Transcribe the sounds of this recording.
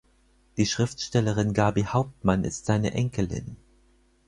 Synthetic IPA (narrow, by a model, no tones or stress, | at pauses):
d̥iːʃʁ̥ɪftʃtɛləʁ̞ɪnɡaɐbihaʊp̚tmanɪ̰stz̥aɪnə̰ʔɛŋkʰəlɪ̰n